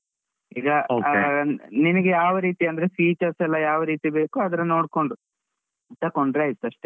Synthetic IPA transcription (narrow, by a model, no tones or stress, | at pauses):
ḭːɡɐo | ninɐɡejaːʋɐɾiːt̪iɐnd̪ɐɾefiːt͡ʃɐɾsɛlːɐjaːʋɐɾiːt̪ibe̞ːkuɐd̪ɐɾɐno̞ːɽko̞ɳɖu | it̪ːɐkoɳɖɾejist̪ːuɐʂʈe